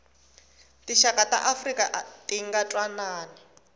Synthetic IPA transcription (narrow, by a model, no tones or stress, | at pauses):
tiʃakata̰ʔafrikʼaʔtiŋɡatʼwanaːni